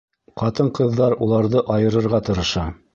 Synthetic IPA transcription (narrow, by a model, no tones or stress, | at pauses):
qɑt̪ɤɴqɤ̆ðːɑɾulˠɑɾðɤʔɑjɤ̆ɾɤ̆ɾʁɑt̪ɤ̆ɾɤ̆ʃɑ